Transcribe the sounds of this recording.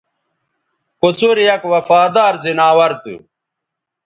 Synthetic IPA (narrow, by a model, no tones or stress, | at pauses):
kut͡suɾjɐkwɐfaːd̪aːɾzinaːwɐɾt̪ɨ̰